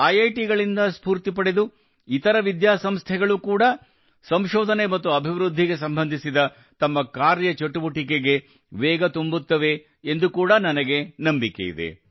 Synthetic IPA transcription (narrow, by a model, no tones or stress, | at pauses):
ɐjɐjʈiɡɐɭind̪ɐspuːɾt̪ip̬ɐɽe̞d̪u | it̪ɐɾɐʋid̪jaːsɐmst̪ʰɛɡɐɭukuːɽɐ | sɐmʃɔːd̪ʱɐnemɐt̪ːuɐbʱiʋɾud̪ʱːiɡe̞s̬ɐmbɐnd̪ʱisid̪ɐ | t̪ɐmːɐkaːɾjɐt͡ʃɐʈːubuʈik̬eɡe̞ | ʋɛːɡɐt̪umbut̪ːɐʋe̞ː | nd̪ukuːɽɐnɐnɐɡe̞nɐmbike̞̰jḭd̪ḛ